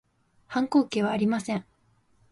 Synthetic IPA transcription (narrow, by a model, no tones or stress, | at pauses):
hãŋko̞ːke̞ːβaːɾʲimasẽ̞ɴ